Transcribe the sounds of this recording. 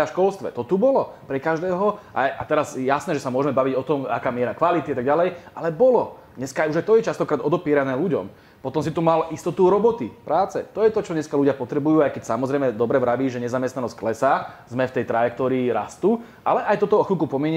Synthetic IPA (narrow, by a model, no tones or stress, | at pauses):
aʃkɔlst̪ʋɛ̰t̪ɔt̪ubɔlɔpɾɛkaʒd̪ɛːɦɔʔa̰jʔat̪ɛɾazjasnɛːʒɛsamʊɔʒɛmɛbaʋiɟɔt̪ɔma̰kaːmɪɛɾakʋalit̪iat̪aɡɟalɛjʔalɛbɔlɔ | ɲɛskaajuʒajt̪ɔjɛt͡ʃast̪ɔkɾaːd̪ɔd̪ɔpiɛɾanɛːluɟɔ̰m | pɔt̪ɔmsit̪umalʔist̪ɔt̪uɾɔbɔt̪ipɾaːt͡sɛ̰t̪ɔjɛt̪ɔt͡ʃɔɲɛskaluɟɪapɔt̪ɾɛbujuːajkɛcsamɔzɾɛjmɛd̪ɔbɾɛʋɾaʋiːʒɛɲɛzamɛst̪anɔscklɛsazmɛft̪ɛjt̪ɾajɛk̚t̪ɔːɾiːɾast̪u | ʔalɛʔajt̪ɔt̪ɔxukupɔmɪɛɲ